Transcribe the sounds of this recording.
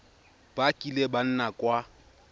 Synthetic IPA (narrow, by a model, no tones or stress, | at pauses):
b̥akʼileban̩nakʼwa